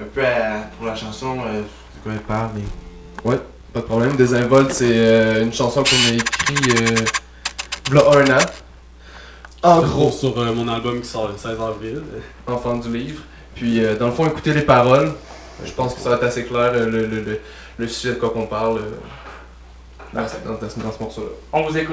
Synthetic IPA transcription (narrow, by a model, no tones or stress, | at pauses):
ɛ̃pøapuʁlaʃɑ̃sɔ̃ø | sy̥kwaɛpaʁme | wɛ | pad̪əpχɔblɛmd̪ezɛ̃vɔlsɛøynʃɑ̃sɔ̃kɔ̃naekχiø | vlɔʔɔna | ɑ̃ɡʁosyʁəmɔ̃nalbɔmkʲi̥sɔʁləsɛzɑ̃mil | ɑ̃fɛ̃d̪yliːvʁ | pɥiød̪ɑ̃ləfɔ̃eku̥t̪elepaʁɔl | ʒəpɑ̃skə̥səʁɛt̪aseklɛːʁølələlə | ləsyʒɛd̪əkwakɔ̃paʁlø | dɑ̃sd̪ɑ̃zãsd̪ɑ̃səmɔʁsolaɔ̃vuzeku